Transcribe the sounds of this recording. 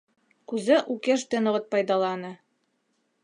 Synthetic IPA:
kʉzɘʔukeʃt̪ɘ̆nɤ̆ʁɤt̪̚pɑjd̪ɑlˠɑnɤ

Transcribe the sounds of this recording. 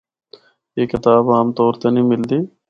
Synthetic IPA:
jeːkɪt̪aːbaːmt̪oːɾt̪eːnĩːmɪld̪iː

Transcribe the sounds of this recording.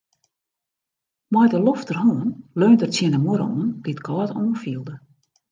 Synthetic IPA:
mɔjdəloftərhoənløːntərt͡sjɪəndəmuəɾəo̰ənd̥itkʰɔːtoːənfiəlˠdə

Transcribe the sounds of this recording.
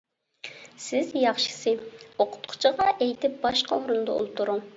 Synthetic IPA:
sɪzjɑχʃɨ̥sɨoqʰʊ̥t̪qʰʊ̥t͡ʃʰiʁɑʔejt̪ʰɪp̚bɑʃqɑuɾund̪ɑo̰lˠup̚t̪ʰuɾuŋ

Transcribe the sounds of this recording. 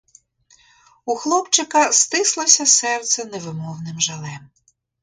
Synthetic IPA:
uxlˠɔpt͡ʃɪkɐst̪ɪslˠɔsʲɐsɛrt̪sɛneʋɪmɔwnɪmʒɐlˠɛm

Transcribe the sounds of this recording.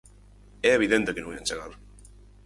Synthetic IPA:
ɛeβ̞iðẽnt̪ekenõŋiant͡ʃeɣaɾ

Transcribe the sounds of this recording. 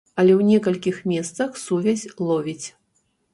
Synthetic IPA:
ɐlʲɛwnʲɛkɐlʲkʲixmʲɛst̪sɐxsuvʲasʲlˠɔvʲit͡sʲ

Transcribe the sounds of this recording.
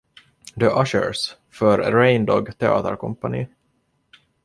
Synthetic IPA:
d̪əʔaʃə̰ɾs | fœɾːɛɪnd̪ɔɡt̪ʰɛɑ̰ːt̪ə̰ɾkʰɔmpanḭ

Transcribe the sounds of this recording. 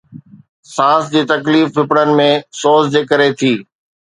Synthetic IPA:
sãːsd͡ʑiːt̪ɐkliːfpɪpɽənɪ̆mẽsoːzd͡ʑeːkəɾet̪ʰiː

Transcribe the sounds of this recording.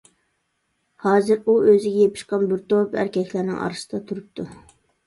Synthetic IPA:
hɑːzɨɾuʔøzɪɡʲɛjepʰɪ̥ʃqɑnbɪɾt̪opæ̰ɾkʲɛkʲlæɾnɪ̰ŋɑ̰ɾɨsɨd̪ɑt̪ʰuɾup̚t̪ʰu

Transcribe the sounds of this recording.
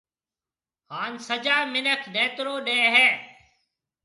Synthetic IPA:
haːnsəd͡ʒaːmɪnəkʰɗẽːt̪ɾoːɗẽːɦɛː

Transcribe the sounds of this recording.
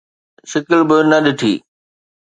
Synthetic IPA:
sɪkɪlbɪnɐɗɪʈʰḭː

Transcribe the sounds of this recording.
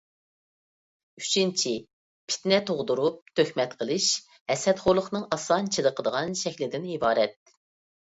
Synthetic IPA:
y̥t͡ʃʰint͡ʃʰi | pʰɪ̥t̪nɛt̪ʰoʁd̪uɾup̚t̪ʰøxmɛt̪qʰəlˠɨʃ | hɛsɛt̪χolˠəχnɨŋɑsɑnt͡ʃʰɨd̪əqʰəd̪əʁɑnʃɛkʲlɪd̪ɪnibɑːɾɛt̪̚

